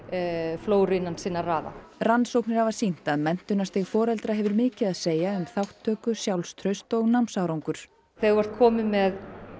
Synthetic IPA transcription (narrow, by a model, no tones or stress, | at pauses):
floːwɾɪnːansɪːnːaraːða̰ransowknɪɾ̥havasin̥t̪aðmɛn̥t̪ʏnast̪ɪɣfɔːɾɛlt̪ɾaɦɛvʏɾmɪːcɪðaðseːjaʏmθawht̪ʰːœːkʏsjawlst̪ʰɾœɥst̪ɔɣnawmsawɾawŋkʏɾ̥ | θeɣvɔɾ̥t̪̚kʰɔːmɪmɛð